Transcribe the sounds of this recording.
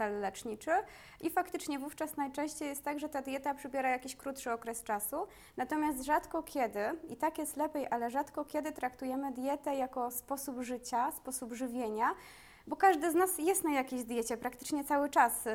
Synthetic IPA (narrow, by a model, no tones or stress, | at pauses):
ɛlːɛt͡ʂɲit͡ʂɘ | ʔifakt̪ɘt͡ʂɲɛvuft͡ʂasnajt͡ʂɛ̃ɕt͡ɕejɛst̪ːaɡʐɛt̪ad̪ʲjɛt̪apʂɛbʲjɛɾajakʲiɕkɾut̪ʂɘɔkɾɛst͡ʂasu | nat̪ɔmʲas̬t̪ʐat̪kɔkʲʰɛd̪ɘit̪akjɛst̪lɛpʲjejʔalɛʐat̪kɔkʲɛd̪ɘt̪ɾakt̪ujɛmɘd̪jɛt̪ɛjakɔspɔsubʐɘt͡ɕaspɔsubʐɘvʲjeɲa | bɔkaʐd̪ɘznasjɛst̪najakʲeʑd̪ʲjɛt͡ɕɛpɾakt̪ɘ̥t͡ʂɲɛt̪sawɘt͡ʂas